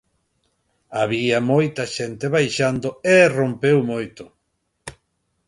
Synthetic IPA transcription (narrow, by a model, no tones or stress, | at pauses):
aβiɐmojt̪ɐʃent̪eβajʃand̪oerompewmojt̪ʊ